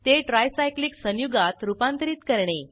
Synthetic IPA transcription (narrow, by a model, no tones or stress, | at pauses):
t̪eʈɾajsajkliːksənjuɡat̪ɾupãnt̪əɾiːt̪kəɾɳe